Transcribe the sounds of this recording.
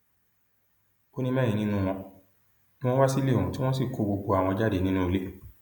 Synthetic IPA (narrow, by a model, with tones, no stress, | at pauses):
o˦nĩ˦mɛ̃ː˦˨ĩ˧nĩ˦nũ˦w̃ɔ̃˧ | nĩ˦w̃ɔ̃˦wa˦si˦le˦˨o˨ũ˨ti˦w̃ɔ̃˦s̬i˦˨ko˧ɡ͡bo˧ɡ͡bo˧a˨w̃ɔ̃˧d͡ʒa˦˨de˨nĩ˦nũ˦o˨˧le˦